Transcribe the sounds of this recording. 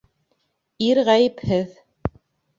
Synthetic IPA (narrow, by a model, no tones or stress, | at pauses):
iɾʁæjɘ̆phɘð